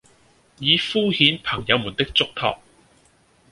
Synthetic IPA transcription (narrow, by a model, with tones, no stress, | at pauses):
jiː˨˧fuː˥hiː˨˥npʰɐ˨˩ŋjɐ˨˧wmuː˨˩nt̪ɪ˥k̚t͡sʊ˥k̚t̪ʰɔ̰ː˨˩k̚